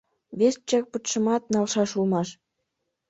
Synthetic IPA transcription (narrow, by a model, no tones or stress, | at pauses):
βʲes̚t͡ɕek̚put̪ʃɤ̆mɑt̪̚nɑlˠʃɑʃulmɑʃ